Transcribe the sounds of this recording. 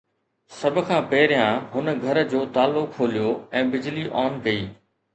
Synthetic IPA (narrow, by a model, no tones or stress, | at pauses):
sɐbʱʊ̆kʰãːpɐɦɪɾɪjãɦʊnɡʱɐɾd͡ʑoːt̪aːlːʊkʰːoːlijoɛ̃ːbɪd͡ʑliʔɔːnkɐiː